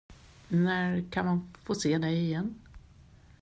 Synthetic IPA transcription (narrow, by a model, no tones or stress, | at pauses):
næɾkʰanmanfoːseːd̪ɛjɪjɛnː